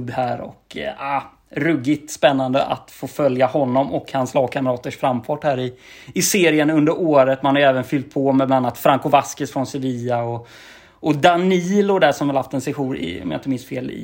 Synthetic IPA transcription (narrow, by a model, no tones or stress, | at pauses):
bːhæːɾɔ̰ka | ɾɵɡɪt̪spɛnːand̪əʔa̰t̪foːfœljahɔnːɔmɔkhanslɑːɡ̚kʰaməɾɑːt̪əʂfɾamːfɑːʈhæːɾɪ | ɪseːɾɪənɵnd̪əɾoːɾət̪manhaɾjɛːvənfʏlt̪̚pʰɔmɛblananːat̪fɾaŋkʊvaskəsfɾɔnsɛviːaɔ | ɔd̪aniːlʊd̪æʂɔmvɪlhaft̪ɛnsɛɧuːɾɪ̰ɔ̰mja̰ɪnt̪əmɪnst̪feːlɪ̰